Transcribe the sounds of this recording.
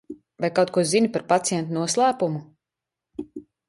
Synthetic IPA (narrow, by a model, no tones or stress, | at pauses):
vajkawt̪kuɔzinʲpaɾpat̪sijɛnt̪unuɔslˠæːpumu